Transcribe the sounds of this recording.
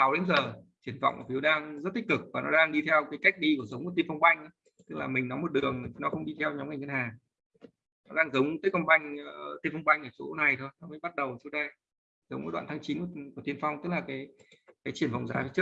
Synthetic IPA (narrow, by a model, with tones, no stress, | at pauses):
sa˨˦wɗe˨˦mzəː˨˩t͡ɕi˧˩ənva̰˧˨wŋ͡mʔfi˨˦wɗaː˧ŋzə˦˥t̪i˦˥k̚kɨ˨˩k̚vaː˨˩nɔ˨˦ɗaː˧ŋɗi˧t̪ʰɛ˧wkaː˨˦jka˦˥k̟̚ɗi˧ku˧˩əzə˨˦wŋ͡mt̪i˧nfa˧wŋ͡mɓa˧jŋ̟˨˦ | t̪ɨ˦˥k̚laː˨˩mï˨˩ŋ̟nɔ˨˦mo˨˩t̚ɗɨ˨˩əŋ˨˩˨nɔ˨˦xə˧wŋ͡mɗi˧t̪ʰɛ˧wɲɔ˨˦mŋa˨˩ŋa˧nhaː˨˩ŋ | nɔ˨˦ɗaː˧ŋzə˨˦wŋ͡mt̪əː˨˦jkə˧wŋ͡mva˧jŋ̟t̪i˧nfɔ˧ŋ͡mɓa˧jŋ̟ʔəː˧˩t͡ɕo˨˦na˨˩jt̪ʰo˧jnɔ˨˦mə˧˦jɓa˦˥t̚ɗə˨˩wsi˧wɗa˧ | zə˨˦wŋ͡mʔəː˧˨˦ɗwa̰ː˧˨t̪ʰaː˨˦ŋt͡ɕi˨˦n˧˩ku˧˩t̪ʰi˧ənfa˧wŋ͡mt̪ɨ˦˥k̚laː˨˩kaː˨˦jkaː˨˦jt͡ɕi˧˩ənfɔ̰˧˨wŋ͡mzaː˨˦i˧˩t͡ɕk̚